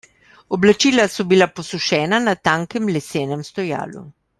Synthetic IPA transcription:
ɔblat͡ʃiːlasɔbilaposuʃɛːnanat̪aːŋkɛmlɛseːnɛmst̪ɔja̰ːlṵ

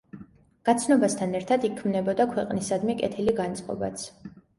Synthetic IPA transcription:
ɡ̥at̪sʰnɔbast̪ʰanɛɾt̪ʰad̪ikʰmnɛbɔd̪akʰwɛqʼnisad̪mɛkʼɛ̰t̪ʰiliɡant̪sʼqʼɔ̰ba̰t̪sʰ

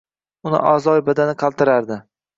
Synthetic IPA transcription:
ʊnɪ̰ʔazɒjbad̪anɪqʰɑlˠt̪ɪɾaɾd̪ɪ

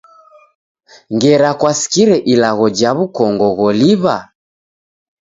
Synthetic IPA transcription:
ŋɡɛɾakwasi̥kiɾɛʔilaɣɔd͡ʒaβukɔŋɡɔɣɔliβa

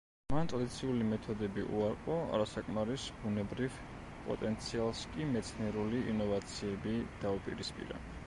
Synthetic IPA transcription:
mant̪ʼɾad̪it̪sʰiulimɛt̪ʰɔd̪ɛbiʔṵaɾqʼɔa̰ɾasakʼmaɾisbunɛbɾiv | pʼɔ̰t̪ʼɛnt̪sʰialˠskʼimɛt̪sʰniɛɾuliinɔvat̪sʰiɛbid̪̥aupʼiɾispʼḭɾa̰

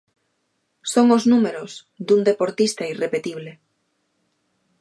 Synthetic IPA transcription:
soŋoznumeɾoz | d̪und̪epoɾt̪ist̪airepet̪iβle

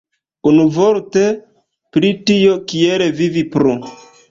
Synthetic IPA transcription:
unuvoɾte̞ | pɾitio̞kieɾevivipɾu

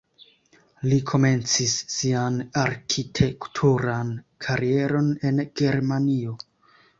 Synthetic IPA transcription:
likʰo̞me̞nt͡sisːianaɾkʰitʰe̞ktʰuɾankʰaɾie̞ɾo̞ne̞nɡ̥e̞ɾmanio̞

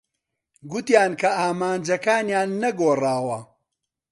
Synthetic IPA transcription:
ɡʊt̪jaːnkʰɐaːmaːnd͡ʒɐkaːnjaːnːɐɡoːraːwɐ

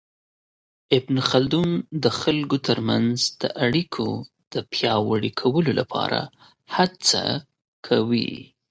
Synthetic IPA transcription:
ɪbnxald̪und̪əxalɡot̪əɾmanzd̪̥əʔaɽikʰo | d̪̥əpjɑwəɽikʰawəlolapʰɑ̰ɾʔa̰ | hat͡sa̰ | kʰawḭ

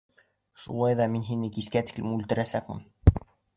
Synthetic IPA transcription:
ʃṵlˠɑjðɑminɦinɘkiskæt̪ɘ̥klɘmʉlt̪ɘ̆ɾæsæk̚mɘ̰n

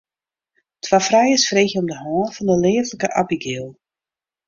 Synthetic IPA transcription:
tʰwafrɛjəsfreːxjəɔmdəhɔːfɔndəlɪːvləkəʔabiɡɪːlˠ

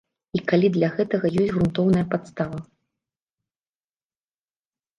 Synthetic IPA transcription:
ikalʲid̪lʲɐɣɛt̪ɐɣɐjɔsʲtʲɣɾunt̪ɔwnɐjɐpat̪st̪avɐ

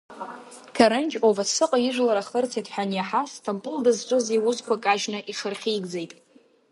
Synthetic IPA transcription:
kʰaɾɨnt͡ʃʼovasɨqʼaɪʒʷlaɾaχərt͡sʰidʰħᶣanjaħastʰampʼʊldazt͡ʃʷʼɨziwʊzkʷʰakʼaʒnaʔiχərχʲiːɡd͡zejtʼ

